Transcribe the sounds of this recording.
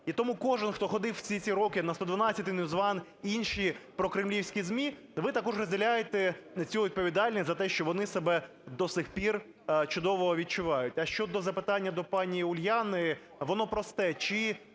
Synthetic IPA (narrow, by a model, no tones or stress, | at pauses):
it̪ɔmukɔʒɪnxt̪ɔxɔd̪ɪwt͡sʲit͡sʲiɾɔkɪnɐst̪ɔd̪ʋɐnɑsʲɐt̪ɪnjʊzʋɑn | inʃipɾɔkɾɪmlʲiwsʲkʲizmʲi | ʋɪt̪ɐkɔʐrɔzʲdʲɪlʲajet̪ɛt͡sʲuʋʲid̪̚pɔʋʲid̪ɑlʲnʲisʲzɐt̪ɛʃt͡ʃɔʋɔnɪsebɛ | d̪ɔsɪxpʲir | t͡ʃʊd̪ɔʋɔɦɔʋʲid̪̚t͡ʃʊʋɑjʊtʲɐʃt͡ʃɔd̪ɔzɐpɪt̪ɑnʲːɐd̪ɔpɑnʲiʊlʲjɑnɪ | ʋɔnɔpɾɔst̪ɛt͡ʃɪ